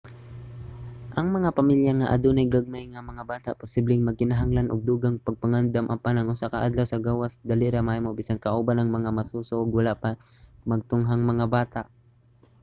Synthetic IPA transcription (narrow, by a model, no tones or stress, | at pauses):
ʔɐŋmɐŋapɐmiljaŋaʔɐ̰d̪unajɡaɡ̚majŋɐmɐŋabaːt̪aʔpʊsiblɪŋmɐɡ̚kɪnɐɦaŋlanʔʊɡ̚d̪uːɡaŋpɐɡ̚pɐŋand̪amʔɐ̰panɐŋʔʊsakɐʔad̪lawsɐɡaːwasd̪alɪɾɐmaːjmobiːsankɐʔoːbanɐŋmɐŋamɐsuːsoʔoɡwɐlaʔpɐ | mɐɡ̚t̪ʊŋɦaŋmɐŋabaːt̪aʔ